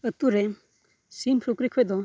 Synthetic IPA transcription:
ət̪uɾe | simpʰɾukɾikʰɔjd̪ɔ

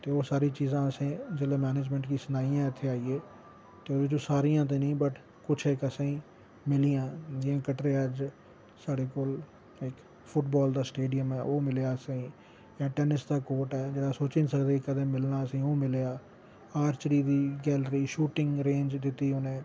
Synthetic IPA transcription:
t̪eːoːsaːɾiːt͡ʃiːzãːəsĩːd͡ʒeleːmɛːneːd͡ʒmɛ̃ɳʈkiːsənaːijãːɪt̪ʰːeːaːieː | t̪eːoːd̪eːt͡ʃõːsaːɾijãːt̪̬ẽːnĩːbəʈ | kʊt͡ʃʰekəsãːiː | mɪlijãːd͡ʒ̪ɪãːkəʈɾeːəd͡ʒ | saːɖeːkoːl | ɪk | pʰʊʈbɔːld̪aːsʈeːɖɪjəmɛːoːmɪleaːəsãĩː | jãːʈɛːnɪsd̪aːkoːʈɛːd͡ʒeːɽaːsoːt͡ʃɪ̃nsəkd̪eːkəd̪ẽːmɪlnaːəsĩːoːmɪleːaː | aːɾt͡ʃɾiːd̪iːɡɛːlɾiːʃuːʈɪ̃ŋɡɾẽːnd͡ʒd̪ɪt̪ːiːɦoːnẽː

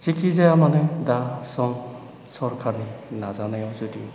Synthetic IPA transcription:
z̥ikʰizajamanadasɔŋ | sɔɾkʰaɾninazanajɔzudi

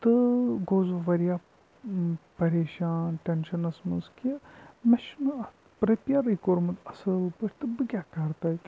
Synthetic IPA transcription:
t̪ɨɡoːzuʋɐɾijaː | pɐɾeːʃaːnʈɐnʃɐnɐsmɐskɐmɐʃnɐ | pɾɐpijɐɾɐjkoɾmɐt̪ɐsɐlpɐɾʰʲt̪ɨbɨkʲaːkɐɾt̪ɐt̪

